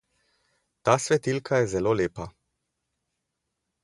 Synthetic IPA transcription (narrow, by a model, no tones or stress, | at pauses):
t̪aːsʋɛt̪ilkʰajɛzɛloːleːpa